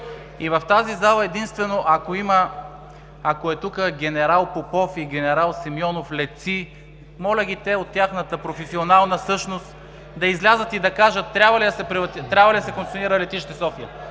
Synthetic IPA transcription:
ivɐft̪azizalˠəɛd̪inst̪vɛnoʔɐkoiməː | koɛt̪ukəɡʲɛnɛɾalˠpopɔfiɡʲɛnɛɾalˠsimjɔnoflɛt̪si | mɔlʲəɡ̟ʲit̪ɛot̪ːʲjaxnət̪əpɾofɛsionalˠnəsɤʃnost̪ | d̪ɐizlʲazət̪id̪ɐkaʒət̪ːɾʲabvɐlid̪ɐsɛpɾivɐt̪it̪ːɾʲabvɐlid̪ɐsɛkoŋk̪ʲoniɾəlɛt̪iʃt̪ɛsɔfiə

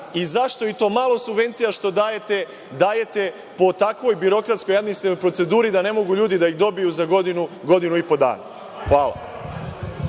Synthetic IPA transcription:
izaʃt̪o̞it̪o̞ːmaːlˠo̞subʋe̞nt̪sijaʃt̪o̞d̪aːje̞t̪e̞ | d̪aːje̞t̪e̞ | po̞t̪akʋo̞jbiɾo̞kɾat̪skojad̪misliojpɾose̞d̪uːɾid̪ane̞mo̞ɡuʎuːd̪id̪aiɣd̪o̞bijuzaɡo̞d̪inuɡo̞d̪inuipo̞d̪a̰ːna̰ | xʋaːlˠa̰

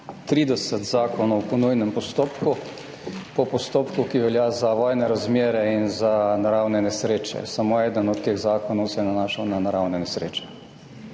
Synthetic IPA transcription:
t̪ɾiːd̪ɛsət̪zaːkɔnɔwpɔnujnɛmpɔst̪oːpku | pɔpɔst̪oːpkukiʋɛljazaʋɔːjnɛɾazmʲeːɾɛinzanaɾawnɛnɛsɾeːt͡ʃɛ̰samoɛːd̪ənɔt̪ːeːɣzaːkɔnɔwsɛjɛnanaːʃawnanaɾawnɛnɛsɾḛːt͡ʃɛ̥

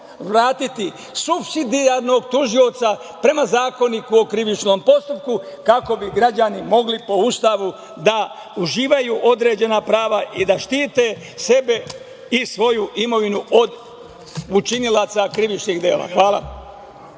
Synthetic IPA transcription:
ʋɾaːt̪it̪i | subsid̪iaɾno̞ɡt̪uʒio̞t̪sa | pɾe̞mazaːko̞nikuo̞kɾiʋit͡ʃno̞ːmpo̞st̪up̚kukako̞biɡɾad͡ʒanimo̞ɡlipo̞ust̪aʋu | d̪a | uʒiːʋajuːʔo̞d̪ɾe̞ːd͡ʑe̞napɾaːʋaʔid̪aʃt̪iːt̪e̞ | se̞be̞ | isʋo̞juʔimo̞ʋinuʔo̞d̪ | ut͡ʃinilˠat̪sakɾiʋit͡ʃniɣd̪eːla̰xʋaːla̰

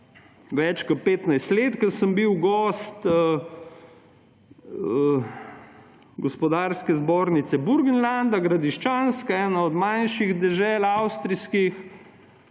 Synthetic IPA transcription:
ʋɛt͡ʃkɔt̪̚peːt̪najst̪leːt̪kəsəmbiwɡɔst̪ | ɡɔspɔd̪aːɾskɛzbɔːɾnit̪sɛbuɾɡənland̪aɡɾad̪iʃt͡ʃanskaɛːnaɔd̪manʃiɣd̪ɛʒɛːlawst̪ɾiskix

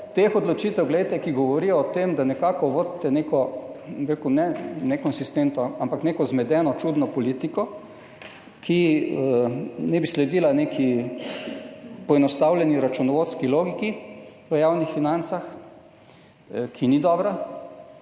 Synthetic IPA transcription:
t̪exɔd̪lɔt͡ʃit̪ɛwɡlɛjt̪ɛkiɡɔʋɔɾijɔːt̪emd̪anɛkakɔʋod̪t̪ːɛnekɔbiɾekunɛnɛkɔnsist̪ent̪nɔampaknekɔzmɛd̪ɛnɔt͡ʃud̪nɔpɔlit̪ikɔ | kʰi | nɛbislɛd̪iːlanekʰi | pɔɛnɔst̪awlʲɛniɾat͡ʃunɔʋot̪skiloːɡikiʋəjawnixfinant̪sax | kʰinid̪ɔbɾa

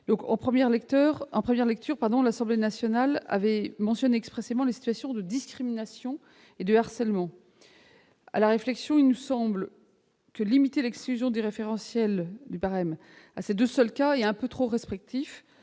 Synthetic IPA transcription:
d̪ɔ̃kɑ̰̃pχəmjɛʁlɛkt̪œʁɑ̃pχəmjɛʁlɛk̚t̪ʰyʁpaʁd̪ɔ̃lasɑ̃blenasjɔnala̰vɛmɑ̃sjɔneɛkspχɛsemɑ̃lesi̥t̪ɥasjɔ̃d̪əd̪iskχiminasjɔ̃ | ed̪əaʁsɛlmɑ̃ | a̰laʁeflɛksjɔ̃ilnəsɑ̃bl | kəlimit̪elɛksklyzjɔ̃d̪eʁefeʁɑ̃sjɛld̪ybaʁɛm | ased̪øsœlkaeɛ̃pøt̪χoʁɛspχik̚t̪ʰif

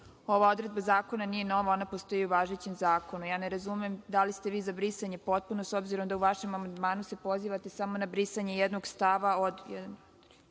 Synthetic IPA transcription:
o̞ʋao̞d̪ɾe̞d̪̚bazaːko̞nanije̞no̞ʋao̞napost̪o̞jiuʋaʒet͡ɕemzaːko̞nujaːneɾazumemd̪alist̪e̞ʋiːzabɾisaɲe̞po̞t̪̚puno̞so̞bziɾo̞md̪auʋaʃe̞mamand̪maːnuse̞po̞ziːʋat̪e̞samo̞nabɾisaɲe̞jed̪no̞ɡst̪aʋaod̪jɛ̰d̪an

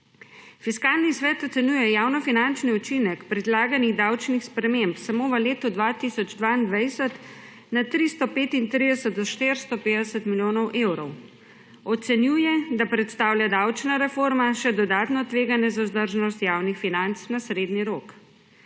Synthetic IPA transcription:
fiskaːlnisʋɛːt̪ɔt̪sɛnjuːjɛjaːwnɔfinant͡ʃniut͡ʃinɛkpɾɛd̪laːɡaniɣd̪awt͡ʃnixspɾɛmempsamoːʋəleːt̪ud̪ʋat̪isɔd͡ʒd̪ʋaind̪ʋajsət̪ | nat̪ɾist̪ɔpeːt̪int̪ɾid̪ɛsət̪̚d̪ɔʃt̪eɾst̪ɔpeːd̪ɛsət̪miljoːnɔwʔewɾɔw | ɔt̪sɛnjuːjɛd̪apɾɛt̪st̪aːwljad̪awt͡ʃnaɾɛfoɾmaʃɛd̪ɔd̪aːt̪nɔt̪ʋeːɡanjɛzauzd̪əɾʒnɔst̪jaːwnixfinant̪snasɾeːd̪niɾok

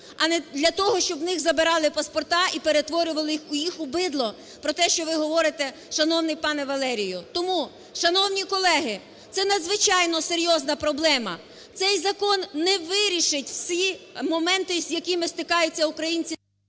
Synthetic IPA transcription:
ɐnɛd̪lʲɐt̪ɔɦɔʃt͡ʃɔbwnɪɣzɐbɪɾɑlˠɪpɐspɔrt̪ɑipeɾet̪ʋɔɾʲʊʋɐlˠɪjixʊjixʊbɪd̪lˠɔ | pɾɔt̪ɛʃt͡ʃɔʋɪɦɔʋɔɾɪt̪ɛ | ʃɐnɔwnɪjpɑnɛʋɐlˠɛɾʲijʊt̪ɔmu | ʃɐnɔwnʲikɔlˠɛɦɪ | t̪sɛnɐd̪zʋɪt͡ʃɑjnɔseɾʲjɔznɐpɾɔblˠɛmɐ | t̪sɛjzɐkɔnːɛʋɪɾʲiʃɪtʲwsʲimɔmɛnt̪ɪzʲjɐkimɪst̪ɪkɑjʊt͡sʲːɐukɾɐjinʲt͡sʲi

